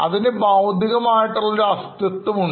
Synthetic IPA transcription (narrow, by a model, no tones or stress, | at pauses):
ɐ̰ðinebaːwd̪ʱiɣɐmaːjiʈːɐɭːuɾɐst̪ɐt̪ːɐmuɳ